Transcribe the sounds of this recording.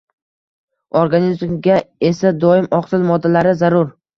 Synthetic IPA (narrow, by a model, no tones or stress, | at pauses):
oɾɡanizmɡʲae̞sad̪ɒɪmɒqsɪlmɒd̪ːalaɾɪzaɾʊɾ